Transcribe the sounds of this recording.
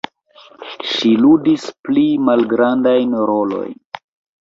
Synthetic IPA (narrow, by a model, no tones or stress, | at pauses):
ʃiludisplimalɡɾandajnɾolo̞̰jn